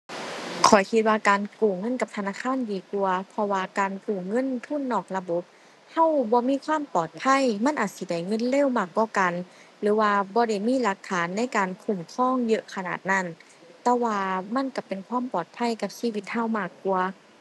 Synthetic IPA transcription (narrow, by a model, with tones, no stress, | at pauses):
kʰɔ˨˩jkʰi˧t̪̚waː˧kaː˨nkuː˨˩ŋɤ˧˥˨nka˧p̚t̪ʰa˧naː˧˨kʰaː˧˥˨ndiː˨˩ku˧ɐpʰɔ˧waː˧kaː˨nkuː˨˩ŋɤ˧˥˨nt̪ʰu˧˥˨nːɔː˧˨˩k̚la˧bo˧˦p̚ | ha˧˥˨wbɔː˧˦miː˧˥˨kʰwaː˧˥˨mpɔː˨˩t̪̚pʰa˧˥˨jma˧˥˨nʔaː˨˩t̪̚si˧da˧˩jŋɤ˧˥˨nle˧˥˨wmaː˧˩kːɔː˧˩ka˨n | lɯː˨˦waː˧bɔː˧˦da˧˩jmiː˧˥˨la˧kʰːaː˨˦nːa˧˥˨jkaː˨nkʰu˧˩mkʰɔː˧˥˨ŋjɤ˧ʔkʰa˧na̰ː˨˩t̪̚na˧˩˨n | t̪ɛː˧waː˧ma˧˥˨nka˧˩pe˨nkʰwaː˧˥˨mpɔː˨˩t̪̚pʰa˧˥˨jka˧p̚siː˧˥˨wi˧t̪̚ha˧˨wmaː˧˩kːu˧ɐ